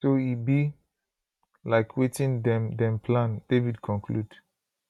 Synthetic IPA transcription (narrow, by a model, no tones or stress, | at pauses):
soibi | laɪkʰwetĩndɛ̃mdɛ̃mpʰlãnd̥evidkʰɔ̃nkʰlud